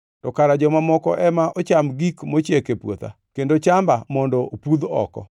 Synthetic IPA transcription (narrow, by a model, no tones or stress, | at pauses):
tɔkaɾad͡ʒɔmamɔkɔ̰ʔɛmaʔot͡ʃamɡikmot͡ʃjekepwo̰t̪a̰ | kendot͡ʃambamɔndɔopud̪ɔ̰kɔ̰